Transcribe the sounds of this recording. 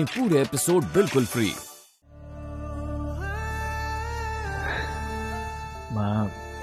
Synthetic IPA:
ĩpuːɾeepɪsoːɖ̚bɪlkʊlfʰɾḭː | mãː

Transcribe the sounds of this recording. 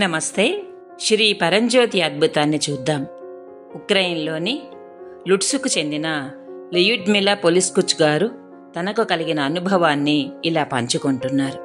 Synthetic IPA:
nɐmɐst̪e̞ː | ʃɾiːpɐɾɐɲd͡ʒo̞ːt̪iɐd̪̚bʱut̪aːnːit͡ʃuːd̪ːaːm | ukɾɐjnlo̞ːni | luʈsukut͡ʃe̞nd̪inɐ | lijuʈmilːɐpoliskut͡ʃːuɡaːɾu | t̪ɐnɐkukɐliɡinɐːnubʱɐʋaːnːiːlaːpɐɲt͡ʃukoɳʈunːaːɾu

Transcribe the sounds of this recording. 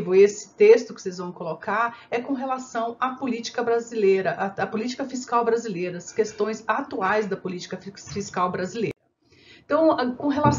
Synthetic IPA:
vʊesɪ̥t̪est̪ʊkɪ̥sejzvɐ̃w̃kolokaɾɛkõɦelasɐ̃w̃apolit͡ʃi̥kɐbɾazilejɾɐʔaɐpolit͡ʃi̥kɐfiskawbɾazilejɾɐskest̪õj̃zat̪uajzd̪ɐpolit͡ʃi̥kɐffiskawbɾazileɾɐ̃ | t̪ɐ̃w̃kõɦelas

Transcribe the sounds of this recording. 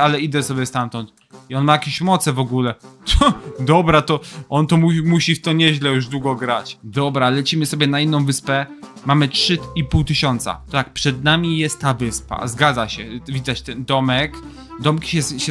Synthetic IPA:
alɛid̪ɛsɔbʲjɛst̪amt̪ɔnt̪ | iɔnmajakʲeɕmɔt̪sɛvɔɡulɛt̪ɔd̪ɔbɾat̪ɔʔɔnt̪ɔmumuɕift̪ɔɲɛʑlɛjuʐd̪wuɡɔɡɾat͡ɕd̪ɔbɾalɛt͡ɕimɘsɔbʲjɛnainːɔ̃w̃vɘspɛ | mamɘtʂɘipuwt̪ɘɕɔnt̪sa̰t̪t̪ak̚pʂɛd̪namʲijɛst̪ːavɘspa̰zɡad̪zaɕɛvʲid̪at͡ɕt̪ɛnd̪ɔmɛk | d̪ɔmkʲi̥ɕɛɕɛ

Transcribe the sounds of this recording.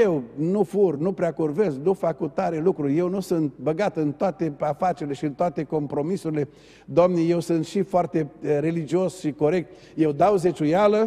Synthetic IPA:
jewnufurnupɾeakurveznufakut̪ːaɾelukɾuje̞wnusɨnt̪̚bəɡat̪ɨnt̪oat̪e̞afat͡ʃeɾile̞ʃiɨnt̪oat̪e̞ko̞mpɾo̞misuɾile̞ | d̪oamneje̞wsɨnt̪ʃifoart̪e̞ɾe̞lid͡ʒio̞sʃiko̞ɾe̞k̚t̪̚ | je̞wd̪awzet͡ʃujalə

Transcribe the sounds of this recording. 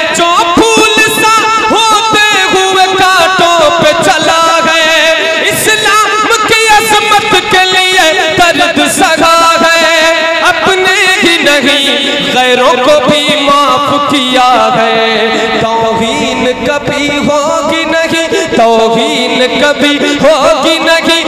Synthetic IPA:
d͡ʒoːpʰuːlɪsa | ɦoːt̪e | ɦʊekaːʈõpet͡ʃɐlaɡɐe | ɪslaː | mkiɐzmət̪kelɪe | k̪ɐd̪d̪sɐɡaɡɐe | ɐpnebʱinɐɦĩ | ɣɛːɾõkobʱimãpkijaɡɐe | t̪ɔ̃ | ɦi | nkɐbʱi | ɦoː | ɡinɐɦĩt̪oːʋiːnkɐbʱiɦoɡinɐɦĩ

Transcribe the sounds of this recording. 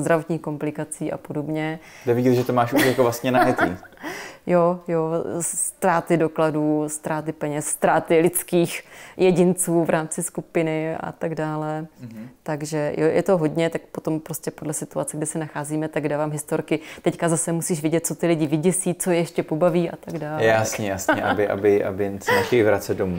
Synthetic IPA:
zd̪ɾavo̞t̪ɲiːxko̞mplɪkat͡siːʔa̰po̞do̞bɲɛ | ɡdɛvɪɟit̪ʒɛt̪omaːʃʔuʃjakovlast̪ɲɛnaɦɛt̪ḭː | jojo̞sst̪ɾaːt̪ɪdo̞kladuːst̪ɾaːt̪ɪpɛɲɛsːt̪ɾaːt̪ɪlɪt͡skiːxjɛɟɪnt͡suːvɾʔaːmt͡sɪskupɪnɪa̰t̪aɡdaːlɛt̪aɡʒɛjojʔɛ̰t̪o̞ɦo̞dɲɛt̪ak̚po̞t̪o̞mpɾo̞scɛpo̞dlɛsɪt̪uat͡sɛɡdɪsɛnaxaːziːmɛt̪aɡdaːvaːmɦɪst̪oɾkɪt̪ɛckazasɛmusiːʃvjɛɟɛt̪̚t͡so̞t̪ɪlɪɟɪvɪɟɛsiːt͡sojɛʃcɛpo̞baviːʔa̰t̪aɡdaːljɛasɲɛjasɲɛʔa̰bɪʔa̰bɪʔa̰bɪnsnaxɛvɾat͡sɛdomu

